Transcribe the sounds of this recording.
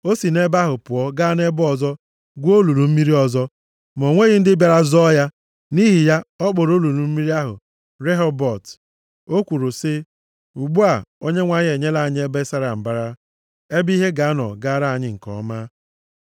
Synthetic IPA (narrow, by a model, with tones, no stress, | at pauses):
o˦si˨ne˦ba˦ɦʊ˨pʊ˨ɔ˦ɡa˦ne˦bɔ˨zɔ˦ | ɡʷu˦o˦lu˨ɾu˨m̩˦mi˦ɾi˦ɔ˨zɔ˦ | m˨o˨ŋʷe˦ɣɪ˦n̩˦dɪ˦bja˨ɾa˦zɔ˦ja˦ | ni˦ɦi˨ja˦ɔ˦k͡po˨ɾo˦lu˨lu˨m̩˦mi˦ɾi˦a˦ɦʊ̰˨ | ɾe˦ɦɔ˦bɔ˨t | o˦kʷu˨ɾu˨sɪ˦ | u˨ɡ͡bu˦a˨o˦ɲe˦ŋʷa˨ɲ˦e˨ɲe˦la˨a˨ɲ˦e˦be˦sa˦ɾa˨m̩˨ba˦ɾa˦ | e˦bi˦ɦe˦ɡa˨a˦nɔ̰˨ɡa˦a˦ɾa˦a˨ɲɪ˦ŋ̩˨kɔ̰˨˦ma˦